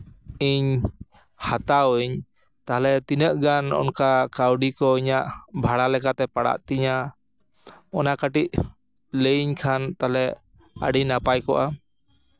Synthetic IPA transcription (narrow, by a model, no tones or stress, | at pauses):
iɲ | hat̪awɲ | t̪aɦlɛt̪inəʔɡanɔ̰nkakawɖikɔiɲaʔbʱaɽalɛkat̪ɛpaɽa̰ʔt̪iɲa | ɔnakaʈiʔ | ləɲkʰant̪alɛ | a̰ɖinapajkɔʔa